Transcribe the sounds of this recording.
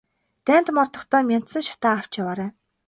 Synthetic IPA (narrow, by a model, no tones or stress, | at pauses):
t̪æːn̥t̪mɔrt̪ɞ̆χt̪œːmʲan̥t̪sə̆ŋʃḁt̪aːw̥t͡ɕjawaːɾæː